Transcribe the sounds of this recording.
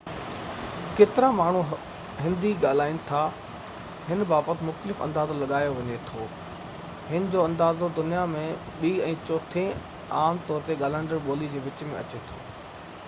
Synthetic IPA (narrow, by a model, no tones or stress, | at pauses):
keːt̪ɪɾamaːɳ̤u | ɦɪ̃nd̪iɠaːl̤aːinɪ̆t̪ʰa | ɦɪnbaːbət̪ʰɪmʊxt̪əlɪfɐ̰̃nd̪aːzolɐɠaːjoʋɐɲet̪ʰoː | hɪnɪ̆d͡ʑoːɐ̃nd̪aːzod̪ʊnijamẽ | ɓiːɛ̃ːt͡ɕɔːt̪ʰẽ | aːmt̪ɔːɾt̪eɠaːlə̃ɳɖəɾɓoːlid͡ʑeːʋɪt͡ɕmẽɐ̰t͡ɕet̪ʰoː